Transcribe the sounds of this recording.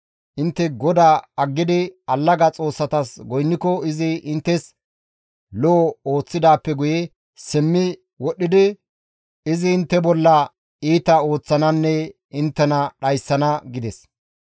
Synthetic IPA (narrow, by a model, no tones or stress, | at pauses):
ʔɪnt̪ːɛɡɔd̪aːɐɡːɪd̪ɪɐlːɐɡɐt͡sʼo̞ːsːɐt̪ɐsɡɔjnːɪkɔɪzɪʔɪnt̪ːɛs | lɔːoːt͡sːɪd̪aːpːɛɡʊjɛ | sɪmːɪ | wɔɗːɪd̪ɪ | ɪzɪːnt̪ːɛbɔlːɐ | iːt̪ɐo̞ːt͡sːɐnɐnːɛ | ɪnt̪ːɛnɐɗɐjsːɐnɐɡɪd̪ɛs